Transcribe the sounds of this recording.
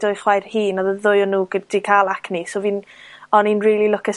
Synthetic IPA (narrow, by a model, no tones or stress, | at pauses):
d̥ʊɨχwajrhiːnɔðəðʊjɔnuːɡədikʰalˠakʰnisoviːnɔniːnriːlˠilʊkʰə